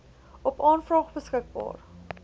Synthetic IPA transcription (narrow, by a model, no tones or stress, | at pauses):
ʔɔpɑːnfrɑːχbəskək̚bɑ̰ːr